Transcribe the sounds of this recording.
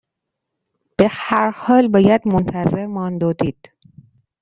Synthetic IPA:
b̥ehæɾhɒːlbɒːjæd̪mont̪ʰæzeɾmɒːnd̪oːd̪iːd̪̥

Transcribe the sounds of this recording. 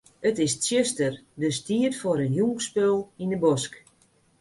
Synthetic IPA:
ətɪstsjøstərdəstiətfoɾənjuːkspɛlˠindəbɔsk

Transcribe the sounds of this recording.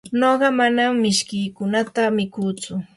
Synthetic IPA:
noɢɑmanamːɪʃkɪjkʊnat̪amɪkuːt͡sʊ

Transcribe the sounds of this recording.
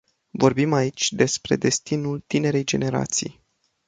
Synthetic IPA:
vo̞rbimait͡ʃʲd̪e̞spɾe̞̰d̪e̞st̪inult̪ine̞ɾe̞jd͡ʒe̞ne̞ɾa̰t̪sḭj

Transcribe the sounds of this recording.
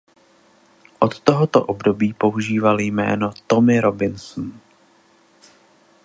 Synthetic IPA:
ʔot̪ːoɦot̪o̰ʔobdo̞biːpo̞uʒiːvaljmɛ̰ːno̞t̪o̞mɪɾobɪnsn̩

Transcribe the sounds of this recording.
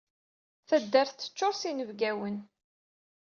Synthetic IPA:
θæd̪ːæɾθθə̥t͡ʃːoɾsinəvɡæwən

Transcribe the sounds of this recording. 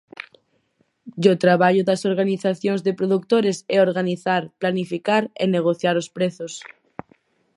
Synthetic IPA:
d͡ʒot̪ɾaβaʎoðasoɾɣaniθaθjonzðepɾoðuk̚t̪oɾeseoɾɣaniθaɾplanifikaɾeneɣ̞oθjaɾospɾeθos

